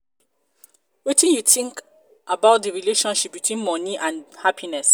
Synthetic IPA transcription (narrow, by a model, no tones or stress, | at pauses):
wetĩnjuθĩŋk | ʔabaʊt̚dəɹileʃɔ̃nʃip̚bitʰwĩnmɔniʔãnhapʰinɛs